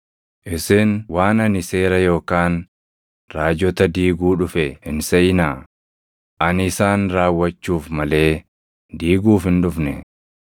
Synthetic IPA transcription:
ʔɪsɪnwaːnɐnɪse̞ːɾɐjo̞ːkaːn | ɾaːd͡ʒɔt̪ɐd̪iːɡuːᶑʊfɛhɪnsɐʔɪnaː | ʔɐnɪsaːnɾaːwːɐt͡ʃːuːfmɐle̞ː | d̪iːɡuːfhɪnᶑʊfnɛ̰

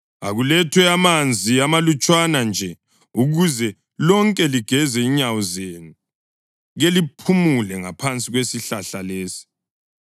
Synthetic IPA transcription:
a̰ɣulɛtʰwɛamand͡zʱiamalut͡ʃʼwanand͡ʒʱɛ | uɣuzɛ | lɔŋkʼɛliɡ̥ʱɛzɛiɲawɔzenu | ɣelipʰumulɛŋapʰant͡sʼiɣwesiɬaɬaleːsi̥

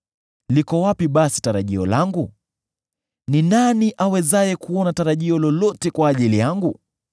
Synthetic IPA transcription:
likɔwapiɓasi̥taɾaʄiɔ̰laŋɡu | ninaniʔawɛzajɛkuɔnataɾaʄiɔlɔlɔtɛkwaːʄilijaŋɡu

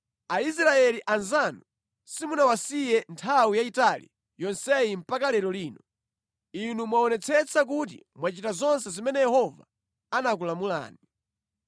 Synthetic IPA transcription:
ais̬ɾaɛliʔanzanu | simunawasijɛntʰawijaitalḭ | jɔnsɛim̩pakalɛlɔliːnɔ | inumwaɔnɛt͡sʰɛt͡sʰak̬ut̬ḭmwat͡ʃitazɔns̬ɛzimɛnɛjɛhɔva̰ | anak̬ulamula̰ːni

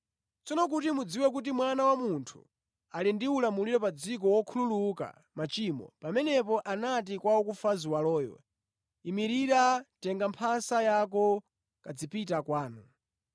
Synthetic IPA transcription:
t͡sɔnɔk̬utimud͡ziwɛk̬ut̬imwanawamuntʰṵ | alindiulamuliɾɔpad͡zikɔwɔkʰululuka̰ | mat͡ʃimɔ̰pamɛnɛpɔʔanat̬ikwawɔkufaziwalɔːjɛ | imiɾiɾatɛŋɡampʰasajakɔ | kad͡zipitakwaːnu

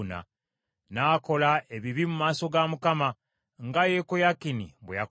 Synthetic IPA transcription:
na̰ | naːko̞lae̞βiβimumaːso̞ɡamukama | ŋɡajekojakinḭbwḛja

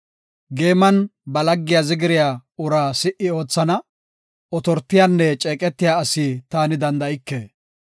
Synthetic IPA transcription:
ɡe̞ːmɐnbɐlɐɡːɪjazɪɡɪɾɪjaːʊɾaːsɪʔɪo̞ːt͡sːɐnɐ | ɔt̪ɔɾt̪ːɪjanːɛt͡ʃʼeːkʼɛt̪ːɪjaːɐsit̪aːnɪd̪ɐnd̪ɐɪkːe

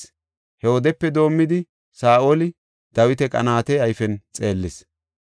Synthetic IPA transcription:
hɛwɔd̪ɛpːɛd̪o̞ːmːɪd̪ɪ | saːʔolɪ | d̪̥ɐwɪt̪ɛkʼɐ̰naːt̪ɛɐjfɛnt͡sʼe̞ːlːɪs

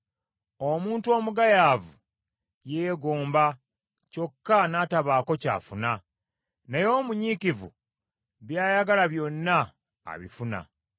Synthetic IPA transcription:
omuːntuo̞ːmuɡajaːvu | jeɡoːmba | co̞kːanaːtaβaːko̞ca̰ːfuna | nejo̞ːmuɲikivṵ | βjaːjaɡalaβjo̞nːa̰ː | βḭfuna̰

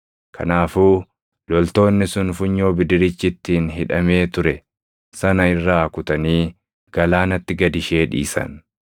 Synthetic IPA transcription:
kʰɐ̰naːfuː | lɔlt̪o̞ːnːɪsʊnfʊɲːo̞ːbɪd̪ɪɾɪt͡ʃːɪt̪ːiːnɦɪᶑɐme̞ːt̪ʊɾɛ | sɐnɐɪrːaːkʊt̪ɐniː | ɡ̥ɐlaːnɐt̪ːɪɡɐd̪ɪʃe̞ːᶑḭːsɐ̰n

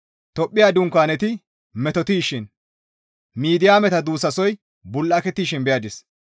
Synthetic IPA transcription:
t̪ɔpʼːɪjaːd̪ʊŋkːaːnɛt̪ɪ | mɛt̪ɔt̪iːʃɪn | miːd̪ɪjaːmɛt̪ɐd̪uːsɐsɔj | bʊlːɐkɛt̪ːiːʃɪnbɛjaːd̪ɪs

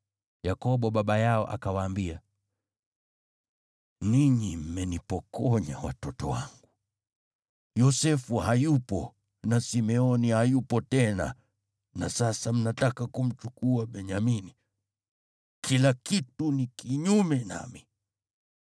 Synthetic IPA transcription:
jakɔɓɔɓaɓajaɔ̰ʔa̰kawaːmbia | niɲim̩mɛnipɔkɔɲawa̰tɔtɔ̰wa̰ŋɡu | jɔsɛfuhajupɔ̰ | nasimɛɔnihajupɔtɛna̰ | nasasam̩natakakum̩t͡ʃukuaɓɛɲamini | kʰilakitunikiɲumɛna̰mi

